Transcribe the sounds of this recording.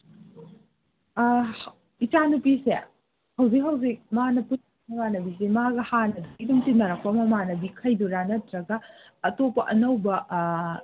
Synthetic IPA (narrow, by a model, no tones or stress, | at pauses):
it͡ʃanupise | hɐwzik̚ɦɐwzik̚manɐpunɐnɐbanɐbis̬emaɡɐhanɐdɐɡidumtinɐɾɐk̚pɐmɐmanɐbikʰɐjduɾanɐtɾɐɡɐː | topːɐʔɐnɐwbɐ